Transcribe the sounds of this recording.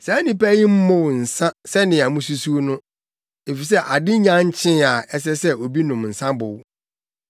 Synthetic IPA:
sa˨æ˦nĩ˨pæ˦ji˦m̩˦mʊ̃˦wʊ˨n̩˨sã˦sɛ˦nɪ̃˨a˨mũ˦su˦su˦o˦nʊ̃˦ | e˨fi˨s̬ɛ˦ʔa˨dɪ˦ɲã˦ɲ̩˦t͡ɕʰɪ̃˦a˨ɛ˦s̬ɛ˦sɛ˦o˨bi˦nʊ̃˨mn̩˨sã˦bʊ˨w

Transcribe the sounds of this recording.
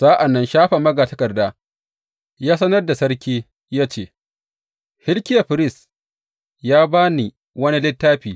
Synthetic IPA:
sa˦ʔa˨nːɐ˦nʃaː˦ɸa˨mɐ˦ɡaː˨tɐ˦kɐ˨rdaː˦ | jaː˦sɐ˦nɐ˦rda˨sɐ˦ɽkʲiː˦ | jaː˦t͡ʃeː˦˨ | hɪ˦lkʲɪ˦ja˨ɸɪ˦ɾɪ˦˨s | jaː˦baː˦ni˨ | wɐ˦ni˦lɪ˦tːaː˦ɸiː˨

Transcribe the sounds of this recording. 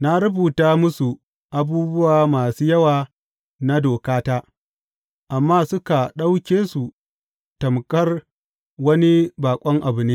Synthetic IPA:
na˦ɾʊ˦buː˨taː˦mʊ˦su˨ | ʔa˨buː˦bʊ˦waː˨maː˨suː˦jɐ˦waː˨ | na˦doː˨kaː˦taː˦ | ʔa˨mːaː˦sʊ˦ka˨ɗa˦wkʲeː˦su˨ | tɐ˨mkɐ˦r | wɐ˦ni˦baː˨kʷʼɔ˦ŋʔa˨bʊ˨neː˦

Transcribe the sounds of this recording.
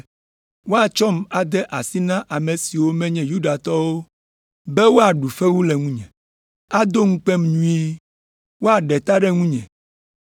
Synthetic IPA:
wo˦a˨t͡ʃɔ˦ma˨d̪ɛ˦ʔa˨si˦nã˦ʔa˨me˨si˨wo˦mɛ̃˦ɲɛ̃˦ju˦ɖa˨t̪ɔ˦wo˦ | be˦wo˦a˨ɖu˨fɛ˦wu˦lɛ˨ŋũ˦ɲɛ̰̃˨ | a˦d̪o˦ŋũ˦k͡pe˦mɲũ˦i˦ | wo˦a˨ɖɛ˨t̪a˦ɖɛ˦ŋũ˦ɲɛ̰̃˨

